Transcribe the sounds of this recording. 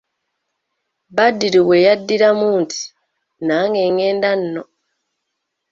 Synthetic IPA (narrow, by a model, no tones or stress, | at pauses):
badːiɾiwejadːiɾamuːntʰi̥ | naŋɡeŋeːndan̩ːo